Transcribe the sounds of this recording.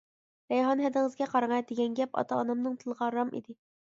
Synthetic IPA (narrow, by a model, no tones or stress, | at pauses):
bɛjɦɑnɦɛd̪ɪŋɨzɡʲɛqʰɑɾɨŋɑjd̪eɡʲɛnɡʲɛpɑ̰t̪ʰɑːnɑmnɨŋt̪ʰɨlˠʁɑɾɑmḭd̪ɪ